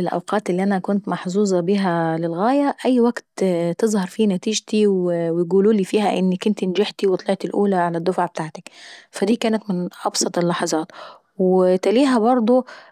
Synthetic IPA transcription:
ɪlʔa̰wqɑːt̪ɪlːiːʔænækʊnt̪mɑħzuːzˤɑbiɦælɪlɣæːjæʔæjːwaɡt̪t̪ɨzˤhɑɾˤfiːnæt̪iːʒt̪iwɪwjɡuːluːliːfiːhæʔɪnːakːʊnt̪ɪnd͡ʒɪħt̪iwt̪ˤɑlɑʕt̪ɪlʔuːlaʕalæd̪ːʊfaʕbɪt̪aːʕt̪ḁkfæd̪iːkæːnæt̪mɪnʔɑbsˤɑt̪ˤɪlːɑħɑzˤɑːt̪ | wt̪æliːɦæbɑɾˤd̪ˤo

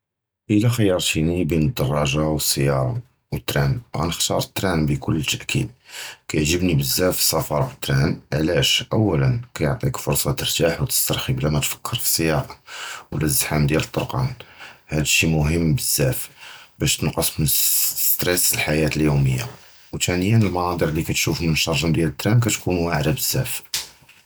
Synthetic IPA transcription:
ʔəlæxəjɑɾˤt̪inibinəd̪ːɑrˤːɑʒawəsːəjɑɾˤɑ̰ | wət̪ːɾænɣæ̰nəxt̪ɑ̰ɾˤət̪ːɾænbəkʊlːət̪ːæʔkʰḭd̪̚kæjʕʒəbnibəzːæfsɑfɑɾˤbət̪ːɾænʕlæʃʔəwːælənkæjoʕt̪ˤikfʊɾˤsˤɑt̪əɾt̪aħwt̪ə̥st̪ɑɾˤxiblæmæt̪fə̥kʰːəɾfi̥sːəjɑɾɑwlæzːħamd̪jælət̪ˤːoɾqɑ̰nhæd̪ʃimʊɦəmːbəzːæfbæʃt̪ənqɑsˤmənst̪ɾɛsəlħajæt̪əljuməjːa̰ | wt̪ʰænəjənəlmɑnɑd̪ˤəɾlikæt̪ʃufmənʃɑɾˤʒənd̪jælət̪ːɾænk̬æt̪kunwaʕɾæbəzːæf

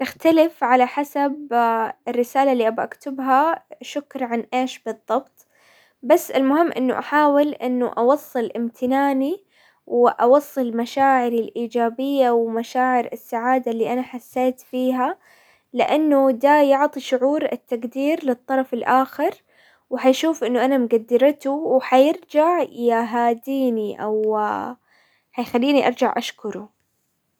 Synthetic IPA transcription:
nɪxt̪alɪfʕalaħasabɪrːɪsaːlalːiːʔabaʔakt̪ɪbɦaʃʊkɾʕanʔeːʃbɨðˤːɑbt̪ˤ | basːɪ̰lmʊhɪmːʔɪ̰nːʊ̰ʔaħaːwɪlʔɪ̰nːʊʔɑwɑsˤːɨlʔɪmt̪ʰɪnaːni | wʔɑwɑsˤːɨlmaʃaːʕɪɾɪlʔiːd͡ʒaːbɪjːawmaʃaːʕɪɾɪsːaʕaːd̪alːiːʔanaħasːeːt̪fiːɦa | lɪʔanːʊd̪ajʊʕt̪ˤiʃʊʕuːɾɪ̰t̪ːaɡd̪iːɾlɪt̪ˤːɑɾˤɑfɪlʔaːxɪɾ | wħajʃuːfʔɪnːʊʔanamɡad̪ːɪɾt̪ʊwħajɪɾd͡ʒaʕjɪɦaːd̪iːniʔa̰w | ħajxalːiːniʔɑɾˤd͡ʒaʕʔaʃkʊɾʊ

